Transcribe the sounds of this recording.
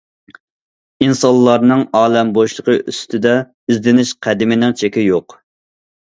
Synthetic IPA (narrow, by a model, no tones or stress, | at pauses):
insɑnllˠːɑɾnɨŋɑːlɛmboʃlˠəqəʔyst̪ʰɪd̪ɛ | izd̪ɪnɪʃqʰæd̪ɪmɪnɪŋt͡ʃʰekʲɪjoq